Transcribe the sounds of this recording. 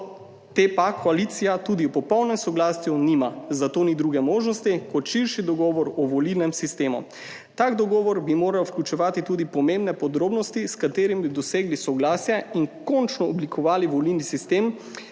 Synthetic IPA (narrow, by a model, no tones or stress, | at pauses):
t̪epakʰɔaliːt̪sijat̪ud̪iwpɔpɔwnɛmsɔɡlaːsjunimazat̪oːnid̪ɾuɡɛmoːʒnɔst̪ikɔt̪ʃiɾʃid̪ɔɡɔːʋɔɾɔʋɔlilnɛmsist̪eːmṵ | t̪aːɡd̪ɔɡɔːʋɔɾbimoːɾawwklʲjut͡ʃɛʋaːt̪it̪uːd̪ipɔmẽmbnɛpɔd̪ɾoːbnɔst̪iskat̪eːɾimbid̪ɔseːɡlisɔɡlaːsjɛiŋkɔnt͡ʃnɔɔblikʰɔʋaːliʋɔlilnisist̪eːm